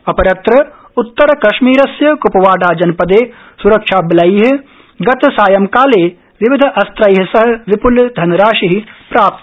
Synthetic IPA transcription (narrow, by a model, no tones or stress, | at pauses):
ɐpɐɾɐt̪ɾɐ | ʊt̪ːəɾkɐʃmiːɾɐsjɐkʊpɐʋaːɖaːd͡ʒɐnpɐd̪eː | suɾɐkʃaːbɪlaiɦ | ɡɐt̪saːjɐmkaːleː | ʋɪʋɪd̪ʱʔɐst̪ɾaiɦ̆sɐɦ̆ʋɪpʊld̪ʱɐnɾaːʃiɦipɾaːp̚t̪